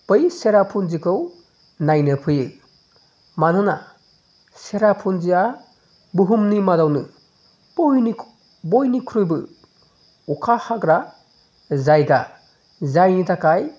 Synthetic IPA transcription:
pɯjseɾapʰunzikʰɯw | najnɯpʰɯjɯ | manɯna | seɾapʰund͡ʒia | buɦumnimadawnɯ | j | bojnikʰɾujbɯ | ukʰahakɾa | zajda | zajnitakaj

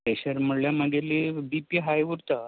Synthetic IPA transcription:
eɕəɾm̤əɽljaməɡelibipiɦajʋuɾt̪a

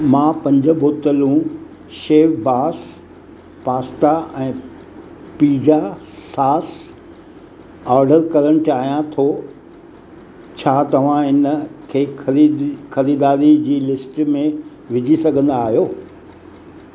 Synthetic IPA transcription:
mãːpɐ̃ɲd͡ʑʊ̆bʱoːt̪əlũ | ʃeːʋbaːs | paːst̪aɛ̃ː | piːd͡ʑasaːs | ɔːɾɖəɾkɐɾəɽ̃ʊt͡ɕaːɦijãt̪ʰo | t͡ɕʰaːt̪ɐʋ̤ãɪnkʰeː | xɐɾiːd̪aːɾid͡ʑiːlɪsʈmẽ | ʋɪd͡ʑʱisɐɡʱə̃nd̪aːɦijoː

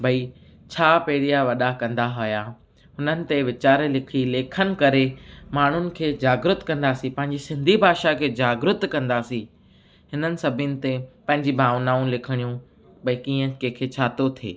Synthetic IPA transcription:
bʱɐi | t͡ɕʰaːpeːɽijaʋɐɗakɐ̃nd̪aɦʊja | ɦʊnənɪ̆t̪eʋɪt͡ɕaːɾelɪkʰileːkʰənɪ̆kɐɾemaːɳ̤ʊnɪ̆kʰeːd͡ʑaːɡɾʊt̪kɐ̃nd̪asĩpɐ̃ɦɪ̃ɲd͡ʑisɪ̃nd̪ʱibʱaːʃakʰeːd͡ʑaːɡɾʊt̪kɐ̃nd̪asĩ | hɪnənɪ̆sɐbʱɪjənɪ̆t̪epɐ̃ɦɪ̃ɲd͡ʑibʱaːʋnaːũlɪkʰɪɽ̃ijũ | bɐikiːə̃kekʰet͡ɕʰaːt̪ot̪ʰḛː

